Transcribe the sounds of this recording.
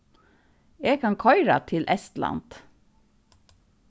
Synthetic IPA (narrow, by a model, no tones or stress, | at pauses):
eːɡkʰɑŋkʰɔʏɾɑ̰t̪ʰɪlʔɛst̪lɑ̰nd̪̥